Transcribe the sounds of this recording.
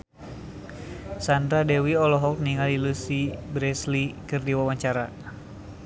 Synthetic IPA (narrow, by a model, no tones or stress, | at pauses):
sand̪ɾadɛwiɔlɔɦɔk̚niŋalilusibɾɛslikɨrdiwawaɲt͡ʃaɾa